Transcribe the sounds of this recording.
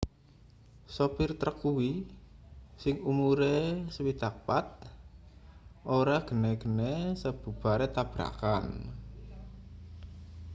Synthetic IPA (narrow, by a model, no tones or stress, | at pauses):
sopirt̪ɾəkuwi | sɪŋumuɾeswit̪ak̚pat̪̚ | ʔoɾaɡ̥ə̤nɛɡ̥ənesəb̥ṳb̥a̤ɾet̪ab̥ɾa̰kan